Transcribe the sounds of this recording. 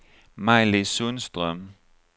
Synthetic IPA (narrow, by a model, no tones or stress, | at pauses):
maɪlisunsd̥ʁœm